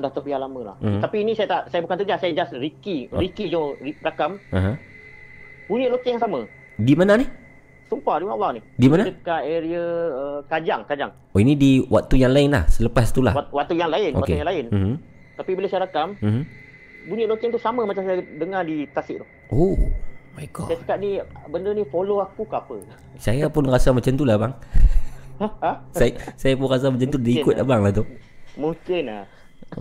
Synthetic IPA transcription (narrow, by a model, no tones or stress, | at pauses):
daht̪əpialamə̃la̰ht̪apiːnisajat̪aʔsajabukant̪əd͡ʒasajad͡ʒasɾikiɾikid͡ʒoɾirakamaɦã | b̥uɲəʔlok̪ɪŋjaŋsamə | dimanani | sumpaɾiwaʔlːanihdimanadəkaeɾiəəkad͡ʒaŋkad͡ʒaŋ | oinidiwat̪ːujaŋlaɪnla̰hsələpast̪ula̰hwat̪ːujaŋlaɪno̰atkejaŋlaɪn̩m̩ | t̪apibilehsajaɾakamm̩m̩ | buɲʊʔlot̪ɪŋt̪usamə̃mat͡ʃamsajadəŋadit̪asɪʔd̪ʊh | ʔo | majɡɔ̰sajat͡ʃəkaʔ̪̚nibəndənifoloakukapə | sajapʊnrasamat͡ʃant̪ulahbaŋ | sajsajapʊnɾas̬amət͡ʃant̪udiikʊt̪̚ʔa̰baŋlaht̪umuŋkɪn̰